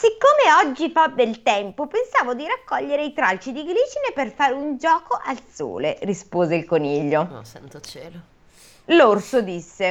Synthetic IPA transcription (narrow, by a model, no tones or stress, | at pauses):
sikːoːmeɔd͡ʒːifabːelt̪ɛmpopensaːvod̪iɾakːɔʎːeɾeit̪ɾalt͡ʃid̪iɡɾiːt͡ʃineperfaːɾeund͡ʒɔːkoʔalso̰ːlerispoːzeilkoniʎːo | l | lorsod̪isːe